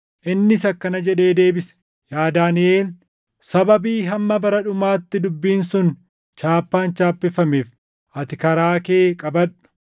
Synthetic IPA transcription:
ʔɪnːɪsɐkːɐnɐd͡ʒɛᶑe̞ːd̪e̞ːbɪs | jaːd̪aːnɪʔe̞ːl | sɐbɐbiːɦɐmːɐbɐɾɐᶑʊmaːt̪ːɪd̪ʊbːiːnsʊn | t͡ʃaːpːaːnt͡ʃaːpːɪfɐmeːf | ʔɐt̪ɪkɐɾaːke̞ːkʼɐbɐᶑ̥

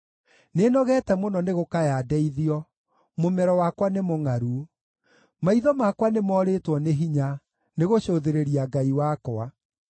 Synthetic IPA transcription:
nenɔɣɛtɛmonɔneɣokajadɛiðiɔ | momɛɾɔwakwanemoŋaɾu | maiðɔmakwanemɔːɾetwɔneɦiɲa | neɣoɕoðeɾeɾiaɡaiwakɔa

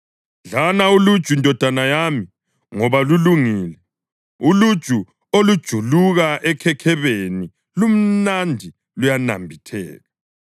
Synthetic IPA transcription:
ɮanaulud̥ʒ̥ʱuindʱɔd̥ʱanajami | ŋɔβaluluŋiːlɛ | ulud̥ʒ̥ʱu | olud̥ʒ̥ʱuluɣaʔɛkʰɛkʰɛβeni | lum̩nandʱi | lujana̰mbʱitʰɛ̰ːɣa

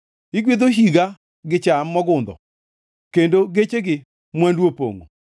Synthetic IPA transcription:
ɪɡwed̪oɦiɡa | ɡɪt͡ʃamːɔɡʊnd̪ɔ̰ | kendoɡet͡ʃeɡɪ | mwɛndwopo̰ŋo̰

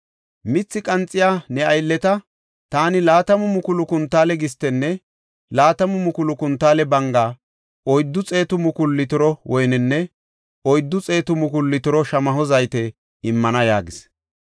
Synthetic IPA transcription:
mɪt͡sːɪkʼɐnt͡sʼːɪjaːnɛɐjlːɛt̪ɐ | t̪aːnɪlaːt̪ɐmʊmʊkʊlʊkʊnt̪ːaːlɛɡɪst̪ːɛnːɛ | laːt̪ɐmʊmʊkʊlʊkʊnt̪ːaːlɛbɐŋɡaː | ɔjd̪ːʊt͡sʼe̞ːt̪ʊmʊkʊlːɪt̪ʊɾɔwʔɔjnɪnːɛ | ɔjd̪ːʊt͡sʼe̞ːt̪ʊmʊkʊlːɪt̪ʊɾɔʃɐmɐɦɔzɐjt̪ɛ | ɪmːɐnɐjaːɡɪs

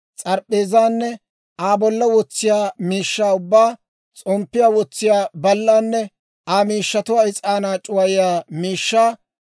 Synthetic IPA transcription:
t͡sʼɐɾpʼːeːzaːnːɛ | ʔaːbɔlːɐwɔt͡sːɪjaːmiːʃːaːʊbːaː | t͡sʼɔmpːɪjaːwɔt͡sːɪjaːbɐlːaːnːɛ | aːmiːʃːɐt̪ʊwaːɪt͡sʼaːnaːt͡ʃʼʊwɐjɪjaːmiːʃːaː

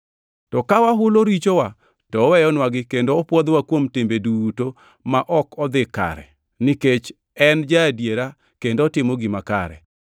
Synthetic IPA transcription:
tɔkawaɦʊloɾit͡ʃowa | tɔːwɛjɔnwaɡɪkendoːpwɔd̪wakwomtembeduto | maʔɔkʰɔd̪ɪka̰ɾɛ̰ | nɪket͡ʃ | ɛnd͡ʒadjeɾa | kendoːtɪmɔɡɪmaka̰ɾɛ̰

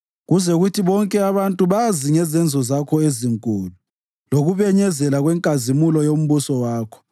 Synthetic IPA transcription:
ɣuzɛɣutʰiβɔŋkʼɛaβantʼuβaziŋɛzɛnd͡zʱɔzakʰɔeziŋkʼṵːlu | loɣuβɛɲɛzɛlaɣwɛŋkʼazimulɔjom̩βusɔwaːkʰɔ̥

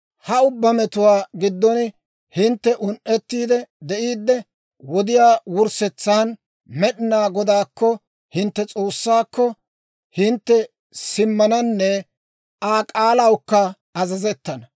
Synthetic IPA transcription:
hɐʊbːɐmɛt̪ʊwaːɡɪd̪ːɔn | hɪnt̪ːɛʔʊnʔɛt̪ːiːd̪ɛd̪ɛʔiːd̪ːɛ | wɔd̪ɪjaːwʊɾsɛt͡sːaːn | mɛɗɪnaːɡɔd̪aːkːɔ | hɪnt̪ːɛt͡sʼoːsːaːkːɔ | hɪnt̪ːɛ | sɪmːɐnɐnːɛ | aːkʼaːlɐwkːɐ | ɐzɐzɛt̪ːɐnɐ

